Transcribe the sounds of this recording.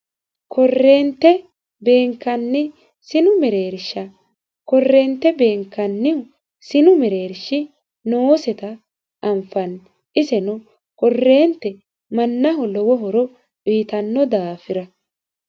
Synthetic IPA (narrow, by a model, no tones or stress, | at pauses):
kʰɔrːe̞ːnt̪ːɛ | be̞ːŋkːɐnːɪ | sɪnʊmɛɾe̞ːɾʃɐ | kɔrːe̞ːnt̪ːɛbe̞ːŋkːɐnːɪ | sɪnʊmɛɾe̞ːɾʃɪ | noːsɛt̪ɐ | ʔɐmfɐn | ʔɪsɛnʊ | kɔrːe̞ːnt̪ːɛ | mɐnːɐɦɔlɔwɔɦɔɾɔ | biːt̪ɐnːɔd̪aːfɪɾɐ